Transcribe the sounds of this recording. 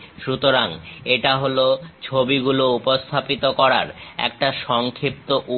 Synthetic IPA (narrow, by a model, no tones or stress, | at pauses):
ʃut̪oɾaŋeʈaɦolot͡ɕʰobiɡuloupost̪ʰapit̪okɔɾa̰ɾɛ̰kʈaʃɔŋkʰip̚t̪oʔu